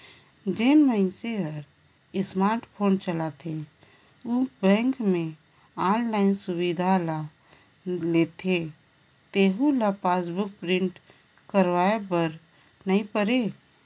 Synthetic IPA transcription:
d͡ʒenməɪnseɦəɾ | ɪsmaːɾʈpʰoːnt͡ʃəlat̪ʰe | ubɛ̃ːŋkmẽ | aːnlaːɪnsʊwid̪ʱala | leːt̪ʰe | t̪eːɦulapaːsbʊk̚pɾɪ̃ɳʈ | kəɾwaːebəɾ | nɐɦĩpəɾeː

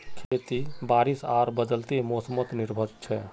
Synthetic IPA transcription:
kʰeːt̪ibaːɾisaːɾbəd̪əlt̪emoːsəmət̪nɪɾbʱəd͡ʒt͡ʃʰɛ

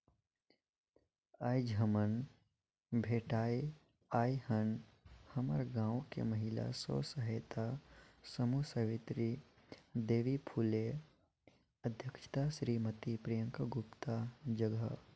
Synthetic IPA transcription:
aːjd͡ʒʱəmən | bʱeːʈaːi | aːihənhɐməɾɡãːwkḛməɦɪla̰sɔ̰ːsəɦəjt̪ʰasəmusəʋɪt̪ɾi | d̪eːʋipʰuːle | ɐd̪ʱjəkʃə̥t̪aʃɾiːmət̪ipɾijə̃ŋkʰəɡʊpt̪ad͡ʒəɡə̰

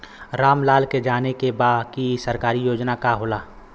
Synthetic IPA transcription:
ɾaːmlaːlked͡ʒaːnekebaːdkisəɾkaːɾijoːd͡ʒnakaɦoːlaː

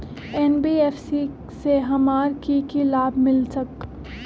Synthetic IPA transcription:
ɛnbiːeːfsi | seɦɐmaːɾkikilaːbmɪlsɐk̚

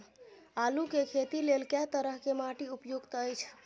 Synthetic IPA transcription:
alukekʰet̪ilelkɛt̪əɾəɦkemaʈiupjoɡt̪əjt͡ʃʰ

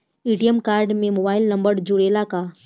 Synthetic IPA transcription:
iːʈijəmkaːɾɖmẽmoːbaːɪlnɐ̃mbəɾd͡ʒʊɽeːlaka

